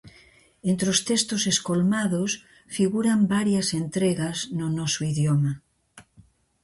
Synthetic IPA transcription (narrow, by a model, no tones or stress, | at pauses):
ent̪ɾost̪est̪oseskolmaðos | fiɣuɾambaɾjasent̪ɾeɣaznonɔsoiðjoma